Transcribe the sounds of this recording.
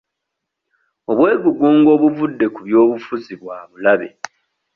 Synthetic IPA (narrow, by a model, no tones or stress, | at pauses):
o̞βwe̞ːɡuɡuːŋɡo̞ːβuvudːe̞kuβjo̞ːβufuziβwaːβulaβe̞̰